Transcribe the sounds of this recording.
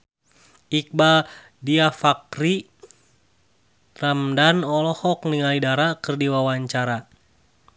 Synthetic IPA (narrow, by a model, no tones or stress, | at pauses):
ik̚ba | diafakri | ramdanɔlɔhɔkniŋalidaɾakɨrdiwawaɲt͡ʃaɾa